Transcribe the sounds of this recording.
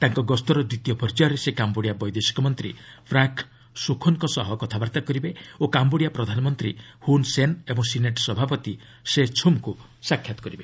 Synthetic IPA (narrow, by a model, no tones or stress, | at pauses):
t̪aŋkɔɡɔst̪ɔɾɔd̪it̪ijɔpʰɔɾd͡ʒaɾesekamboɽjabɔjd̪esi̥kɔmɔnt̪ɾipʰɾaŋk | sukʰɔnkɔsɔɦɔkɔt̪ʰabaɾt̪akɔɾibeokamboɽijapɾɔd̪ʱanɔmɔnt̪ɾihunsenebɔŋsineʈsɔbʱapɔt̪i | set͡ʃʰumku | sakʰːjat̪ɔ̥kɔɾibe